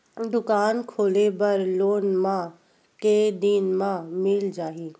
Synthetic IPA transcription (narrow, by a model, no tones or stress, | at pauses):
d̪ʊkaːnkʰoːlebɐɾloːnmã | keːd̪iːnmãmɪld͡ʒaːɦiː